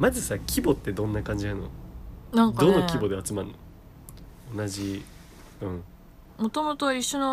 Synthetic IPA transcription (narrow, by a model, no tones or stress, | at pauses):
mazɨsakʲʰibo̞t̪ːe̞d̪õ̞nːakãɲ̟d͡ʑiano̰nãŋd̪o̞nokʲibo̞d̪eat͡sɨmaɾɯ̟no | onaʑi | ɯ̟̃ɴ | mot̪o̞mot̪oiɕːono